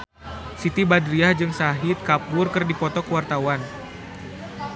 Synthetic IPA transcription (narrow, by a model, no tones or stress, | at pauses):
sit̪ibadɾiahd͡ʒɨŋsaɦit̪̚kapʊrkɨrdipɔt̪ɔkəwart̪awan